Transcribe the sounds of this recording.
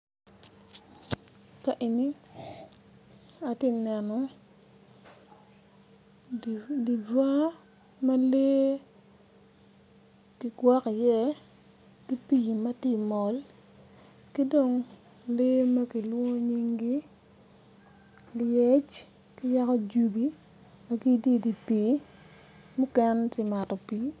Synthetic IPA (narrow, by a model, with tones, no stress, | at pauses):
ka˨ʔi˨ni˦ | a˨ti˦nɛ˨nɔ˨ | di˨d͡ʒwa˦ | ma˦le˦ | ki˨ɡwa˦ka˨jɛ˦ | di˦pi˨mɐ˦tɪ˦mɔ˨l | ki˦do˨ŋ | le˦ma˦ki˨lwo˦ɲi˦ŋɡi˦ | ljɛ˦t͡ʃ | kɪ˦ja˦kɔ˦d͡ʒu˦bi˦ | ma˦ki˦di˦di˨pi˨˦ | mʊ˦kɛ˦ntɪ˦ma˨tɔ˨pi˨˦